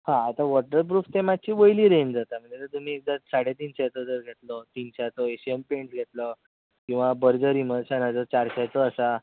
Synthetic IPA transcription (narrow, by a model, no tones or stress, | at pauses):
hãːt̪aʋɔʈəɾp̬ɾuːft̪emad̪̚t͡ɕiːʋəjliːɾend͡zat̪am̤əɳd͡zet̪əɾt̪um̤iːek̚d̪asaɽ̤et̪̬iːnɕat̪əd͡zəɾɡʱet̪lɔt̪inɕat̪ɔeɕiempeɳʈɡʱet̪lə | kĩw̃ʋabəɾd͡zəɾim̤əd̪ɕanad͡zət͡ɕaɾɕat͡s̪əːsa